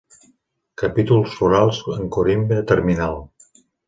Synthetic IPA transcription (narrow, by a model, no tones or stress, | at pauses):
kəpit̪ulˠsfuɾalˠzəŋkoɾimbeət̪əɾminalˠ